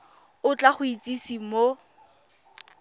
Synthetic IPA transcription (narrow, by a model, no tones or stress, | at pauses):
ʊt͡ɬaχʊit͡sʼisimo